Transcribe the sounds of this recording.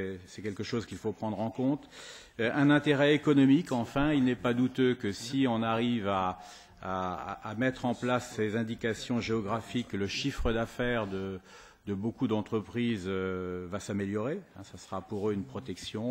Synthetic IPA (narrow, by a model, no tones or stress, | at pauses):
ɛsɛkʲɛlkəʃozkʲilfopχɑ̃d̪ʁɑ̃kɔ̃t̪ | ʔɛ̃nɛ̃t̪eʁɛekɔnɔmikɑ̃fɛ̃ilnɛpad̪ut̪økəsiɔ̃naʁivaː | mɛt̪χɑ̃plasːezɛ̃d̪ikasjɔ̃ʒeɔɡʁafikləʃifχəd̪afɛʁd̪ə | d̪əbokud̪ɑ̃t̪χəpχizøvasameljɔʁeɛ̰̃sasəʁapuʁøynpχɔt̪ɛksjɔ̃